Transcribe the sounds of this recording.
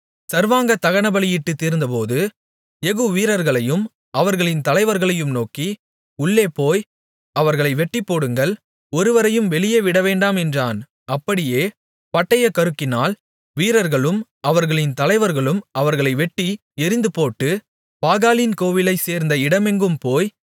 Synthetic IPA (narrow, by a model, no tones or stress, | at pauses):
sɐɾʋaːŋɡɐt̪ɐɣɐɳɐbɐɭɪjɪʈːɯt̪ːiːɾnd̪ɐpoːðɯ | ɛɣɯʋiːɾɐɾɣɐɭɐjɯm | ɐʋɐɾɣɐɭɪnt̪ɐlɐɪʋɐɾɣɐɭɐjɯmnoːki | ʊɭːeːpoːj | ɐʋɐɾɣɐɭɐɪʋɛʈːɪpːoːɽɯŋɡɐɭ | ɔɾɯʋɐɾɐjɯmʋɛɭɪjɐʋɪɽɐʋeːɳɖaːmɛndraːn | ɐpːɐɽɪjeː | pɐʈːɐjɐkɐɾɯkːɪnaːl | ʋiːɾɐɾɣɐɭɯm | ɐʋɐɾɣɐɭɪnt̪ɐlɐɪʋɐɾɣɐɭɯmɐʋɐɾɣɐɭɐɪʋɛʈːi | ɛɾɪnd̪ɯpoːʈːɯ | paːɣaːlinkoːʋɪlɐɪseːɾnd̪ɐɪɽɐmɛŋɡɯmpoːj